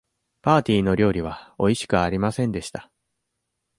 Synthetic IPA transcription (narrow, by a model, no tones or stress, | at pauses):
paːt̪ʲiːno̞ɾʲo̞ːɾʲiβ̞ao̞iɕi̥kɯ̟aɾʲimasẽ̞nd̪e̞ɕi̥t̪ḁ